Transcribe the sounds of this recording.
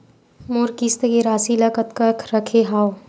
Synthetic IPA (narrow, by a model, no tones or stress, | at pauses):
moɾkist̪əkeɾaːsiləkət̪kəkʰɾəkʰeɦaːo